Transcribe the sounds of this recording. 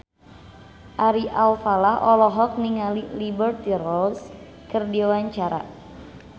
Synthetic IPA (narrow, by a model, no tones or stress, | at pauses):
ʔaɾiʔalfalahʔɔlɔɦɔk̚niŋalilibərt̪irɔls | kɨrdiwaɲt͡ʃaɾa̰